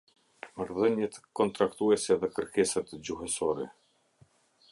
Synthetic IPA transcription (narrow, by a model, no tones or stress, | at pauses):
maɾðəɲɛt̪kɔnt̪ɾakt̪uɛsɛðɛkəɾkɛsat̪d͡ʑuɦɛsɔɾɛ̰